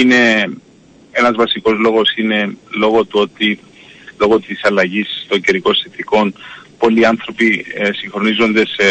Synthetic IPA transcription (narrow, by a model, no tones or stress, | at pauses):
ine̞ | e̞nɐzvɐsiko̞zlo̞ɣo̞sine̞lo̞ɣo̞t̪uot̪i | lo̞ɣo̞t̪isɐlɐʝist̪o̞ɲɟeɾiko̞sθeθiko̞npo̞liɐnθɾo̞pisiŋxɾo̞nizo̞nd̪e̞se